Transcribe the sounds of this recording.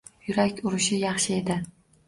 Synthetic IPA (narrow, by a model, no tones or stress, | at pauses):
jʊɾakʲʊɾɪʃɪjɑχʃɪe̞d̪ɪ